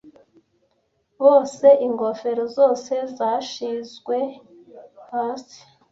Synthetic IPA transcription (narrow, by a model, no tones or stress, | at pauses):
βo̞ːse̞ʔiŋɡo̞fe̞ɾozo̞ːse̞zaʃizɡwe̞ | haːsi̥